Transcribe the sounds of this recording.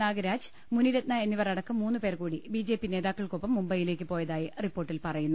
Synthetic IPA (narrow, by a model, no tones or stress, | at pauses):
naːɡɐɾaːd͡ʑ | muniɾɐt̪nɐe̞nːiʋɐrɐɽɐkːɐmːuːnːupe̞ːrkuːɽibiːd͡ʑe̞ːpːine̞ːðaːkːɐɭkopːɐmːumbɐjile̞ːk̬ʲːɨpo̞ːjɐðaːjiripːo̞ːʈːilpɐrɐjunːu